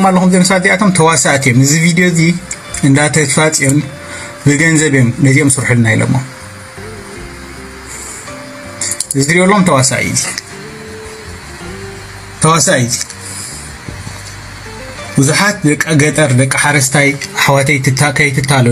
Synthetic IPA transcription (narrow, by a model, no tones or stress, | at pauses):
malːɐxumzimɐsad̪ijat̪ʰomt̪ʰɐwasaʔt̪ʰijomɨzivid̪ijo̞zi | ɨnd̪at̪ʰɐt̪fat͡sʼijon | bɨɡɐnzɐβjomnɐziʔomsɨɾħulɨnajlo̰mːom | ɨziɾiolːɐumt̪ʰɐwasa̰ʔḭzi | t̪ʰɐwasaʔizi̥ | bɨzuħat̪̚d̪ɐkʼːɐɡɐt̪ʼɐɾd̪ɐkʼːɨħaɾɐst̪ʰajħawat̪ʰɐjt̪ʰɨt̪akʰɐjt̪ʰɨt̪ʰːalu